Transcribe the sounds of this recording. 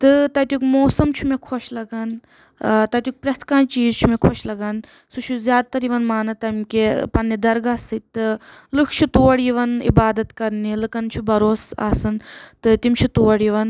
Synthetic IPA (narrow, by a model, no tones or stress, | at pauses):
t̪ɨt̪ɐt̪ʲjukmoːsɐmt͡ʃʰumekʰoʃlɐɡaːn | t̪ɐt̪ʲjuk̚pɾʲɐst̪kãːnt͡ʃiːzt͡ʃʰumekʰoʃlɐɡaːn | sut͡ʃʰuzʲjaːd̪̚t̪ɐɾiʋɐnmaːnɐt̪ːɐmʲkʲepɐnːid̪ɐɾɡaːsɨt̪ʲt̪ːɨlɨkʰt͡ʃʰut̪uːɐɽiʋɐnḭbaːd̪ɐt̪kɐɾnilɨkɐnt͡ʃʰubɐɾoːsa̰ːsɨnt̪ɨt̪imʲt͡ʃʰut̪uʋɐɽiʋɐn